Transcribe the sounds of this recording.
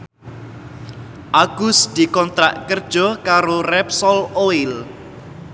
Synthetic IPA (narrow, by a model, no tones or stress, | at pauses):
ʔaɡ̥ʊ̤sd̪̥i̤kɔnt̪ɾa̰ʔkərd̥ʒ̥ɔ̤kaɾorɛpsɔloil